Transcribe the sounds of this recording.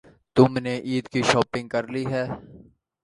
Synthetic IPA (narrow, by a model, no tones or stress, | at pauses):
t̪ʊmneʔiːd̪kiʃɔːpɪ̃ŋɡ̚kɐɾliɦɛː